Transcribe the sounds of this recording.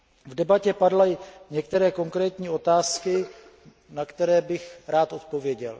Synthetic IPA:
vdɛbacɛpadlajɲɛk̚t̪ɛɾɛːko̞ŋkɾɛːt̪ɲiːo̞t̪aːskɪ | nakt̪ɛɾɛːbɪxɾaːt̪o̞t̪̚po̞vjɛɟɛl

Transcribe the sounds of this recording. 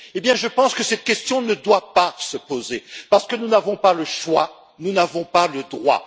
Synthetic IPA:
ebjɛ̃ʒəpɑ̃skəsɛt̪̚kʲɛst̪jɔ̃nəd̪wapasəpozepaʁsə̥kənunavɔ̃paləʃwa̰ | nunavɔ̃paləd̪ʁwa̰

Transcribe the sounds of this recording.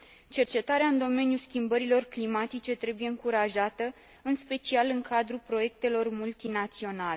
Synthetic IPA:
t͡ʃe̞rt͡ʃe̞t̪aɾeaɨnd̪o̞me̞njuskʲimbəɾilo̞rklimat̪it͡ʃe̞t̪ɾe̞buje̞ɨŋkuɾaʒat̪ə | ɨnspe̞t͡ʃialɨŋkʰad̪ɾupɾo̞je̞k̚t̪e̞lo̞rmult̪inat̪sio̞nale

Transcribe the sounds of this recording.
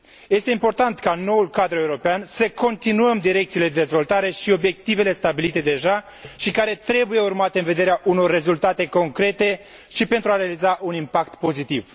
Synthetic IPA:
je̞st̪e̞impo̞rt̪ant̪kano̞ulkad̪ɾue̞uɾo̞peansəko̞nt̪inuəmd̪iɾe̞k̚t̪sile̞d̪ed̪ezvo̞lt̪aɾe̞ʃio̞bje̞k̚t̪ive̞le̞st̪abilit̪e̞d̪e̞ʒa | ʃikaɾe̞t̪ɾe̞buje̞urmat̪e̞ɨnve̞d̪e̞ɾeaʔuno̞rːe̞zult̪at̪e̞ko̞ŋkɾe̞t̪e̞ | ʃipe̞nt̪ɾuaɾealizaʔunimpakt̪po̞zit̪iv

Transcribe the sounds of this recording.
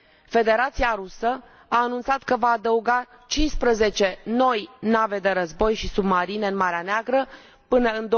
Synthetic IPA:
fe̞d̪e̞ɾat̪siaɾusə | aːnunt̪sat̪kəvaːd̪əuɡa | t͡ʃinspɾəze̞t͡ʃe̞no̞jnave̞d̪e̞ɾəzbo̞jʃisubmaɾine̞ɨnmaɾeaneaɡɾə | pɨnəɨnd̪o

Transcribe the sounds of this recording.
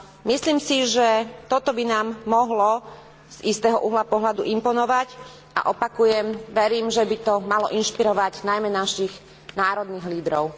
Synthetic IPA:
misliːmsiʒɛt̪ɔt̪ɔbinaːmːɔɦlɔ | z̥ist̪ɛːɦɔʔuɦlapɔɦlad̪uʔimpɔnɔʋac | ʔa̰ʔɔpakujɛmʋɛɾiːmʒɛbit̪ɔmalɔʔinʃpiɾɔʋaɟnajmɛnaʃiɣ | naːɾɔd̪niɣliːd̪ɾɔʊ

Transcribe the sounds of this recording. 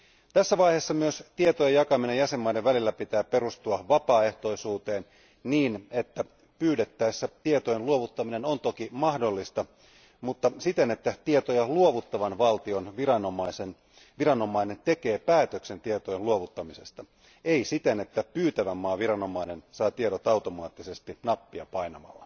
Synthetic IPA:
t̪æsːæʋɑjheːsːɑmyøst̪iet̪ojejɑkɑminejjæsemːɑide̞ʋʋælilːæpit̪æːpe̞ɾust̪uɑʋɑpɑːe̞ht̪o̞isuːt̪e̞ːn | niːne̞t̪ːæ | pyːdet̪ːæisːæt̪iet̪ojenluoʋut̪ːɑminenont̪okimɑhdo̞lːist̪ɑ | mut̪ːɑsit̪e̞ne̞t̪ːæt̪iet̪ojɑluoʋut̪ːɑʋɑnʋɑlt̪ionʋirɑnomɑisen | ʋirɑno̞mɑine̞nt̪e̞keːpæːt̪økse̞nt̪iet̪ojeluoʋut̪ːɑmise̞st̪ɑ | eisit̪enet̪ːæpyːt̪æʋæmːɑːʋirɑno̞mɑinensɑːt̪ieɾot̪ɑut̪o̞mɑːt̪ːise̞st̪inɑpːiɑpɑinɑmɑ̰lːɑ

